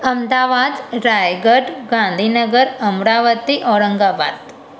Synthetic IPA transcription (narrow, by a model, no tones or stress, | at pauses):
ɐmd̪aːʋaːd̪ɾaːjɡəɖɡãːnd̪ʱiːnəɡəɾɐmɾaːʋət̪iʔɔːɾəŋɡaːba̰ːd̪